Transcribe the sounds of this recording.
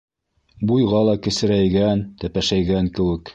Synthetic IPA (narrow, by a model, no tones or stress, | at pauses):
bujʁɑlˠɑkɘ̆sɘ̆ɾæjɡænt̪æpæʃæjɡæŋkɘ̆wɘ̆k